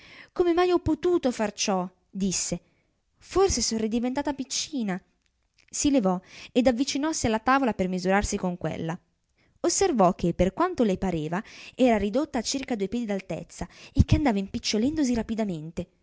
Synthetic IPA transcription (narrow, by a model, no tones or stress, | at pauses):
komemajɔpːot̪uːt̪ofart͡ʃɔ | d̪isːe | forsesonrrid̪ivent̪aːt̪apit͡ʃːiːna | silevɔed̪avːit͡ʃinɔsialːat̪aːvolapermizuɾarsikoŋkwḛlːa | osːervɔk̟ːepːerkwant̪olepaɾeːvaɛːɾaɾid̪ot̪ːaːt͡ʃːirkad̪uejpjɛːd̪id̪alt̪ḛt̪sːaekːeand̪aːvaimpit͡ʃːolɛnd̪os̬iɾapid̪ament̪e